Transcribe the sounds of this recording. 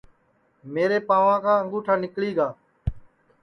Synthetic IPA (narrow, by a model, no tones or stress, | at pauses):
meːɾeːpaːʋãːkʰãːəŋɡuːʈʰaːnɪkɭiːɡaː